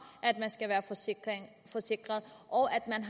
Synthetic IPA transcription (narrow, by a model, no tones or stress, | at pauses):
ʔæd̥mænsɡ̥æʋæːɐ | fɒse̝ɡ̥ʁɐð̩ˠʔɒ̽ʊʔæd̥mænɦ